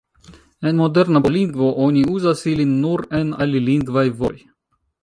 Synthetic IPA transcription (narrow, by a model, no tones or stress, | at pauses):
ɛnmod̪ɛɾnapolʲiŋɡvoʔonʲiuzasilʲinːuɾɛnalʲilʲiŋɡvajvo̰j